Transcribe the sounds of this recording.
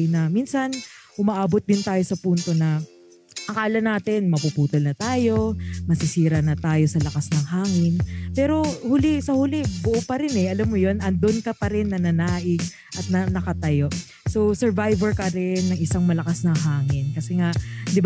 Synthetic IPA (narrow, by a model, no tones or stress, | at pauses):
nɐminsɐnʔʊmɐʔaːbot̪̚d̪ɪnt̪aːjo̞sɐpunt̪o̞nɐ | ʔɐkaːlɐnaːt̪ɪnmɐpupuːt̪olnɐt̪aːjo̞mɐsɪsiːɾɐnɐt̪aːjo̞sɐlɐkasnɐŋɦaːŋɪnpɛːɾo̞hulɪsɐhuːlɪbʊʔopɐɾɪnɛʔɐlamːojo̞nɐnd̪onkɐpɐɾɪnːɐnɐnaːʔɪŋ | ʔɐt̪̚nɐnɐkɐt̪ɐjo̞ʔ | sowsɛɹvajvɛɹkɐɾɛnːɐŋʔɪsaŋmɐlɐkasnɐŋɦaːŋɪnkɐsɛŋaʔd̪ɪb